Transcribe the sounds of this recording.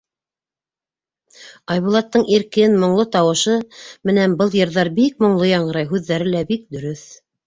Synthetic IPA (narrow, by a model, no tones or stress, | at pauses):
ɑjβulˠɑt̪ːɤɴʔiɾkɘnmŏɴlˠɤt̪ɑwɤ̆ʃɤmɘ̆næmbɤlˠjɤ̆ɾðɑɾbik̚mŏɴlˠojɑɴɤ̆ɾɑjɦʉðːæɾɘlæbik̚d̪ɵ̆ɾɵθ